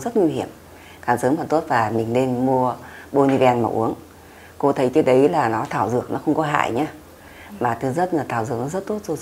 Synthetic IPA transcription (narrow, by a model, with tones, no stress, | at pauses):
zə˦˥t̚ŋwi˧hi˧˩əm | kaː˧˩nsəː˨˦mfə˨˧˩nt̪o˦˥t̚vaː˨˩mï˨˩ŋ̟ne˧nmu˧əɓo˧ni˧vɛ˧nma̰˧˩wʔṵ˨˦əŋ | ko˧t̪ʰə˨˦jt͡ɕə˦˥ɗə˨˦jlaː˨˩nɔ˨˦t̪ʰaː˧˩wzɨ˨˩ək̚nɔ˨˦xə˧wŋ͡mkɔ˨˦ɦa̰ː˧˨jɲaː˧ | maː˨˩t̪ʰɨ˨˦zə˦˥t̚aː˨˩t̪ʰaː˧˩wzɨ˧˨ək̚nɔ˨˦zə˦˥t̚t̪o˦˥t̚zo˧˦